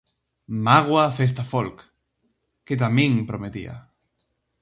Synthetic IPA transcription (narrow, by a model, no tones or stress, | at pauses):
maɣ̞wafes̬t̪afolk | ket̪̬amĩŋpɾomet̪ḭa̰